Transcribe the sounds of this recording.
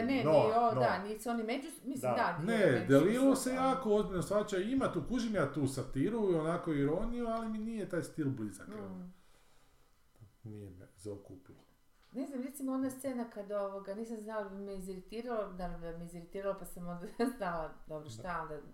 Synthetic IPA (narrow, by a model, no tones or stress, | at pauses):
nenoond̪aniːsuonimet͡ʃusmismd̪aned̪elilˠose̞jaːkoo̞zbiʎʲnosʋat͡ɕaimat̪uːkuʒimjaːt̪uːsat̪iɾuionakoiɾo̞nijualiminijet̪aːjst̪ilˠbliza̰kn | nijemezaokuːpilo | ne̞znamɾet̪simond̪ast̪se̞nakad̪oʋoɡaniːsamznalad̪abimeiziɾit̪iːɾalonaɾod̪ameiziɾit̪iːɾalopasamond̪aznalˠad̪o̞bɾoʃt̪aond̪a